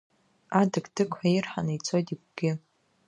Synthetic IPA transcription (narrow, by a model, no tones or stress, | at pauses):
adɨɡdʰɨkʷʰairħanait͡sʰo̞jtʼiɡʷɡ̥ʲɪ